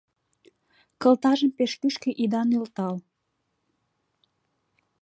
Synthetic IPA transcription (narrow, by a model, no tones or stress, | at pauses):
kə̆lt̪ɑʒəmpeʃkyʃkeʔid̪ɑnylt̪ɑl